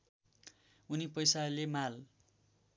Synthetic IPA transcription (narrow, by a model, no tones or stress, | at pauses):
unipʌjsaʌlemal